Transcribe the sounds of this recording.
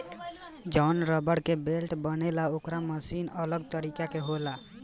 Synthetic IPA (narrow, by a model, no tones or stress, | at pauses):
d͡ʒɔnɾəbəɽkebelʈbənelaokɾaməsinələɡt̪əɾikakeɦola